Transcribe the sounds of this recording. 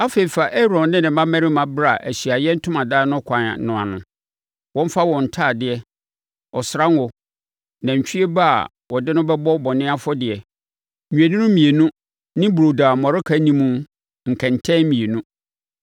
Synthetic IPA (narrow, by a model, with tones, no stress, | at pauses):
a˦fe˨i˨fa˨ʔɛ˦ɾɔ̃˨nnɪ̃˦nɪ̃˨mã˦mɛ̃˦ɾɪ˦mã˨bɾa˦˨ʔæ˨ɕi˨a˨jɛ˦n̩˦tʰʊ˦mã˨daː˦nʊ̃˦kʷʰã˨na̰˨˦nʊ̃˨a̰˨nʊ̰̃˨ | wɔ̃˦m̩˦fa˦wɔ̃˨n̩˨tʰaː˦˨dɪ˦ɛ˨ | ɔ˨sɾã˦n˦wɔ˨ | nã˨ɲ˨t͡ɕᶣi˦e˦ba˦a̰˨ | wɔ˨dɪ˦nʊ̃˦bɛ˦bɔ˦bɔ˨nɪ̃˦a˦fɔ˦dɪ˨ɛ˨ | ɲᶣũ˨æ˨nĩ˦nʊ̃˦mĩ˨e˨nũ˦ | nɪ̃˦bɾo˨daː˨mɔ˨ɾɪ˦kʰa˦nĩ˦mũ˦ | ŋ̩˨kʰɛ̃˨n˨tʰɛ̃˦mĩ˨e˨nũ˦